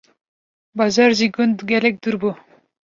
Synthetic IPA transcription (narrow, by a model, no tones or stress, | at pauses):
bɑzɑɾziɡʊnt̪ɡʲɛlɛk̚d̪uɾbu